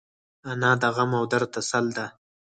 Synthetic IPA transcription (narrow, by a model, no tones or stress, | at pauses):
anɑːd̪aɣamawd̪aɾt̪asald̪a